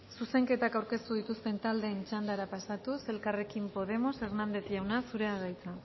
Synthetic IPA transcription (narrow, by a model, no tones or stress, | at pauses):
suse̞ŋke̞t̪akawɾke̞st̪uð̞it̪ust̪e̞nt̪ald̪e̞ːnt͡ʃand̪aɾapasat̪use̞lkare̞kimpo̞ðe̞mo̞se̞ɾnand̪e̞θjawnasuɾe̞aðajt͡sa